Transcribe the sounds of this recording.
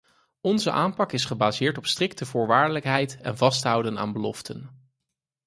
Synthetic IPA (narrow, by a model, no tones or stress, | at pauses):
ɔnzə̰ʔaːmpɑkɪsχəbaːzɪːɹtɔpstrɪk̚təvʊːɹʋaːɹdələkɦɛjtɛ̰nvɑstɦʌwdəna̰ːnbəlɔ̰ftʰən